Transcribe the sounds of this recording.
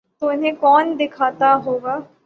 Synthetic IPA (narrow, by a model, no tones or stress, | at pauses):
t̪oɪnɦẽkɔːnd̪ɪkʰaːt̪aɦoːɡaː